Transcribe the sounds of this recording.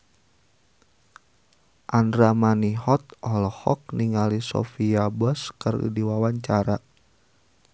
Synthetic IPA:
ʔandɾamaniɦɔt̪̚ɔlɔhɔk̚niŋalisɔ̰fiabɔskərḭdiwawaɲt͡ʃaɾa

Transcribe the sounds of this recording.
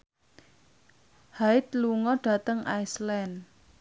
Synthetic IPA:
haɪt̪luŋɔɖ̥a̤t̪əŋajslɛn

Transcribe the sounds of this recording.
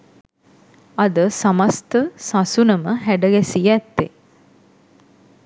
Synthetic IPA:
ɐd̪əsamast̪əsasunəməɦæɖəɡɛsijæt̪ːe

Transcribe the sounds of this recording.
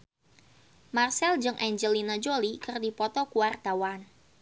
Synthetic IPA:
marsɛld͡ʒɨŋʔɛɲd͡ʒəlinad͡ʒolikɨrdipɔt̪ɔkuwart̪awan

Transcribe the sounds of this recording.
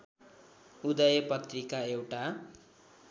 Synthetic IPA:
ud̪ʌjʌpʌt̪rikaewʈa

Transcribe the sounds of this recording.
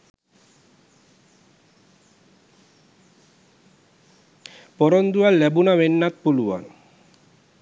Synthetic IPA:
pɔɾond̪ualːɛbunaʋenːat̪̚puluwa̰n

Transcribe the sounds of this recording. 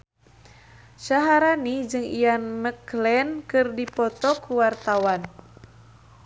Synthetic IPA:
ʃaɦaɾanid͡ʒɨŋḭjanməklɛnkɨrdipɔt̪ɔkuwart̪awan

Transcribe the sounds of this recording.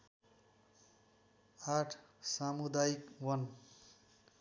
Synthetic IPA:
aʈʰsamud̪ajikwʌn

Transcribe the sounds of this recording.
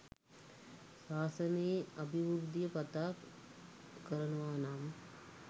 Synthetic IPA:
saːsɐneːɐbʱiʋuɾd̪ijɐpɐt̪aːk | kɐɾɐnɐʋaːnaːm

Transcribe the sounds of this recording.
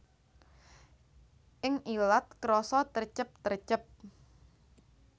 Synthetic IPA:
ʔɪŋʔilat̪̚kɾɔsɔt̪ərt͡ʃəp̚t̪ərt͡ʃəp̚

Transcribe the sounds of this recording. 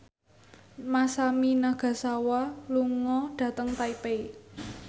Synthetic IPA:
masaminaɡ̥a̤sawaluŋɔɖ̥ä̤t̪əŋt̪aipei

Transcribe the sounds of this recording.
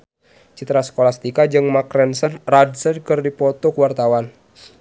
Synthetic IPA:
t͡ʃit̪ɾasə̥kolast̪ikad͡ʒɨŋmakɾɛnsənradsənkɨrdipɔt̪ɔkəwart̪awan

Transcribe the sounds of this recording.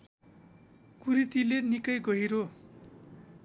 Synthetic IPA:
kuɾit̪ilenikʌjɡʌɦiɾo

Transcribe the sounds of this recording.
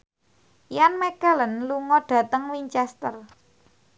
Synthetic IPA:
janmɛkələnluŋɔɖ̥ä̤t̪əŋwiɲt͡ʃɛst̪ər

